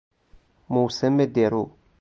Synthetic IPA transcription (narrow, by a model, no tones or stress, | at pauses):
mosɛmːedeɾu